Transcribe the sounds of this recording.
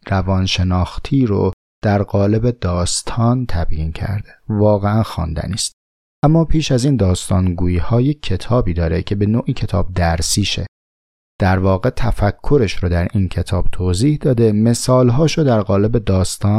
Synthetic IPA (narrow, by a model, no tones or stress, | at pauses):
rævɒːnʃe̞nɒːxt̪ʰiːɾo̰ | d̪̥æɾɢɒːle̞bed̪ɒːst̪ʰɒːnt̪ʰæbjiːncʰæ̰ɾd̪̥e̥vɒːɣeænxɒ̰ːnd̪æ̰niːst̪̚ | ʔæmːɒːpʰiːʃæziːnd̪ɒːst̪ʰɒːnɡuːiːhɒːje̞cʰːe̞t̪ʰɒːbiːd̪ɒːɾecʰe̞be̞noːʔiːcʰe̞t̪ʰɒːb̚d̪æɾsiːʃḛ | d̪̥æɾvɒːɣe̞t̪ʰæfækʰːoɾe̞ʃɾod̪æɾincʰe̞t̪ʰɒːb̥̚t̪ʰoːziːhd̪ɒːd̪e̞me̞sɒːlɦɒːʃod̪æɾɣɒːle̞be̞d̪ɒːst̪ʰɒːn